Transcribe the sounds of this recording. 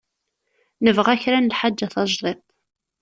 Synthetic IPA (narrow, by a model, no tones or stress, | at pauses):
nəvʁæçɾænəlħad͡ʒːæθɑʒðˤet̪ˤ